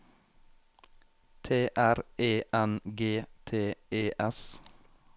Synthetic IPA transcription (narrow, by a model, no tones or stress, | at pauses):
t̪ʰeːʔæɾeːʔænɡeːt̪ʰeːeːʔɛs